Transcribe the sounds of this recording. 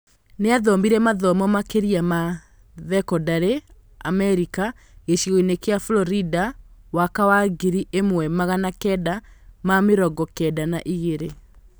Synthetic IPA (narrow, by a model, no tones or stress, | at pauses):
neaðɔmbiɾɛmaðɔmɔmakeɾiama | ðɛkɔdaɾe | amɛɾika | ɣeʃiɣɔinekeafulɔɾidawakawaɡiɾiʔemwɛmaɣanakɛdamameɾɔɡɔkɛdanaʔiɣeɾe